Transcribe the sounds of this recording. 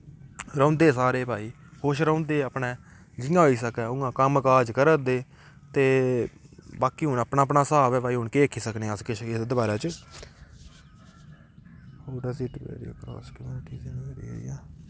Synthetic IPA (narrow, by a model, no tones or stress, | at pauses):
ɾãːnd̪eːsaːɾeːbʱaːiː | hoːʃɾãːʊ̃nd̪eːəpɳẽː | d͡ʒɪjãːɦoiːsəkɛːʊ̃ãːkəmkaːd͡ʒkəɾəd̪eː | t̪eː | baːkiːɦʊːnaːpnaːpnaːsaːʋɛːbaːiːɦʊːɳkeːeːkʰiːsəkneskɪʃɪsd̪əbaːɾaːt͡ʃ | oːɖaːsiːʈbɛ̰ːɾḭːkɾɔ̰ːskəmuːnɪʈiːsinːɛːɾḭːo̰ːḭːjaː